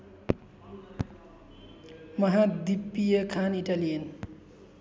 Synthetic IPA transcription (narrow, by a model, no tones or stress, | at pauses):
mʌɦad̪ipːijəkʰaniʈalien